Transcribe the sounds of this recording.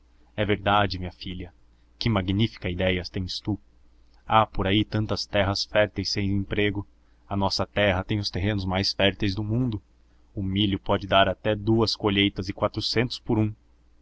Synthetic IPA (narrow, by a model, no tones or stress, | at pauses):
ɛveɾd̪ad͡ʒɪmĩɲɐfiʎɐ | kɪmaɡnifi̥kɐid̪ɛjɐt̪ẽj̃st̪u | apoɾait̪ɐ̃nt̪ɐst̪ɛɦɐsfɛɾt̪ejsːẽj̃ẽmpɾeɡʊ | ɐnɔsɐt̪ɛɦɐt̪ẽj̃ʊst̪eɦẽnʊzmajsfɛɾt̪ejzd̪ʊmũnd̪ʊ | ʊmiʎʊpɔd͡ʒɪd̪aɾat̪ɛd̪uɐskoʎejt̪ɐzɪkwat̪ɾʊsẽnt̪ʊ̥spʊɾũ